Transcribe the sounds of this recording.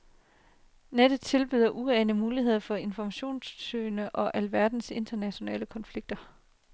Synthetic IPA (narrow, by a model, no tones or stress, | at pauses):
ned̥ðˠt͡sʰe̝lb̥yðˠɐʔuɛːnəmuːliɦe̝ð̞̰ˠɐfɒ̽e̝nfɒmæɕo̝̰ːnssøːnəʔɒ̽ʔælʋæɐd̥n̩se̝nd̥ɐnæɕo̝nɛ̰ːləkʰɒ̽nfliɡ̥̚d̥ɐ